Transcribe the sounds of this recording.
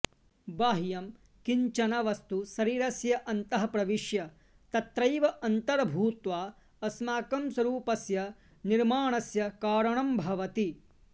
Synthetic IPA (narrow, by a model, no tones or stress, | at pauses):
baːɦijɐm | kiɲt͡ʃɐnɐʋɐst̪usɐɾiːɾɐsjɐʔɐnt̪ɐɦɐpɾɐʋiʃjɐ | t̪ɐt̪ɾɐjʋɐʔɐnt̪ɐɾbʱuːt̪ʋaː | ɐsmaːkɐmswɐɾuːpɐsjɐ | niɾmaːɳɐsjɐkaːɾɐɳɐmbʱɐʋɐt̪i